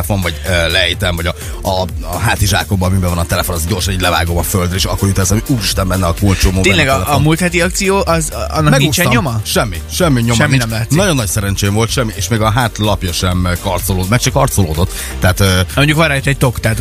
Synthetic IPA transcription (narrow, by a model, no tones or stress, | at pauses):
fo̞ɱvɒɟølɛjt̪ɛɱvɒɟɒ | ɒ | ɦaːt̪iʒa̰ːko̞mbɒːmibɛvɒnɒt̪ɛlɛfo̞nɒzɟo̞rʃɒniːɟlɛva̰ːɡo̞mɒføld̪ɾɛeːʃɒkːo̞ɾyt̪ɛsɒmiuːɾiʃt̪ɛmbɛnːɛɒkuːlt͡ʃomoːeɲlɛɡlɛomult̪hɛt̪iɒk̚t̪sijoːʔɒzɒ̰nːɒkmɛɡ̪nuit͡ʃɛɲɲo̞mɒʃɛmːiʃɛmːiɲomɛmːinɛmlaːht̪nɒɟo̞nːɒcsɛɾɛnt͡ʃeːmvo̞lt̪ʃɛmːiʔeːʃmeːɡɒɦaːt̪lɒpjɒʃɛmkɒrt̪soloːmɛkʃɛkɒrt̪so̞loːd̪o̞t̪ː | ɛat̪ømoɲɟukʋɒɾrajt̪ːɛc̚t̪o̞kt̪aːt̪